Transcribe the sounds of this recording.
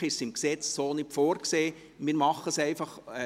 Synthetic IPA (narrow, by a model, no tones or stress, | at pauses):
ɪʃsɪmksɛt͡ssoːnɪtfoːɾkseː | mɪːɾmɑχəsɛɪfɑχ